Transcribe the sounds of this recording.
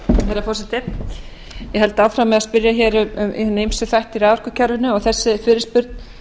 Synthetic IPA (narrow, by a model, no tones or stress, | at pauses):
hɛjɾafɔrsɛt̪ɪ | jɛɦɛlt̪aːwfɾawmːɛðaspɪɾjaçɛːɾʏmm̰nːejmsʏθajht̪iɾaːwvarkʏcʰaɾvɪnʏɔɣθɛsːɪfɪːɾɪɾspʏɾt̪n